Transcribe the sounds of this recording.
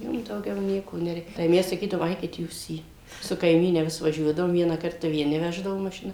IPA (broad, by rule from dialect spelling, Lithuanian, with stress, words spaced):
ˈjiɛm dɐʊˈɡʲɛʊ ˈnʲiɛkoː nʲɛˈrʲɛɪ tɐɪ ˈmʲɛs sɐˈkʲiːdɐʋoːm ˈɐɪkʲɪt ˈjuːs iː sʊ kɐɪˈmʲiːnʲɛ ˈʋʲɪs ʋɐˈʒʲuɔdɐʋoːm ˈʋʲiɛnɐ ˈkɐrtɐ ʋʲiɛˈnʲɪ ˈʋʲæːʒdɐʋoː mɐʃʲɪˈnɐ